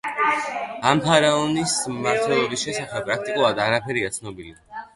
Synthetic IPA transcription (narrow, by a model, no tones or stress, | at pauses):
ampʰaɾaɔnismaɾt̪ʰwɛlˠɔbisʃɛsaχɛb̥̚pʼɾak̚t̪ʼikʼulˠad̪aɾapʰɛɾiat̪sʰnɔbili